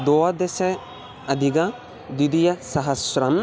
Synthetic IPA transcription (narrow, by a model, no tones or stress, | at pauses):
d̪ɔɐd̪esɐj | ɐd̪ʱiɡɐ | d̪id̪ijɐsɐɦɐsɾɐm